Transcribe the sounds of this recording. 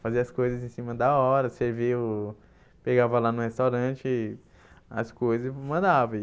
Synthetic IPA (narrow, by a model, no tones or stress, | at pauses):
faziɐskojzɐzẽsĩmɐd̪ɐɔɾɐseɾviʊ | peɡavɐlanʊ̃hest̪awɾɐ̃t͡ʃɪ | ɐ̰skojzɐsmɐ̃nd̪avɐ